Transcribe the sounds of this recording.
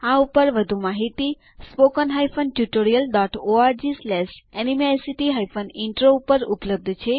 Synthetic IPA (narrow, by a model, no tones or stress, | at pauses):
aupəɾʋəd̪ʱumaɦit̪i | spokənɦajfənʈjuʈoɾijəlɖɔʈoaɾd͡ʒislɛsɛnimesiʈiɦajfʰəniɳʈɾoupəɾupləb̚d̪ʱt͡ʃʰe